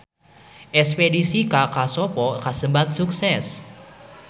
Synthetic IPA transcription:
ʔɛspedisikakasɔpɔkasəbat̪̚suk̚sɛs

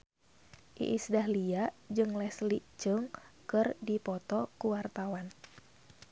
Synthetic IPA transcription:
ʔḭʔisdahliaʔd͡ʒɨŋlɛsliʔt͡ʃəŋkɨrdipɔt̪ɔkuwart̪awan

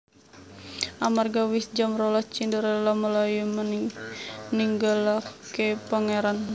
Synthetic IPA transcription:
ʔamarɡawisd͡ʒamrolat͡ʃindəɾɛlaməlajumə | niŋɡalakepaŋeɾan

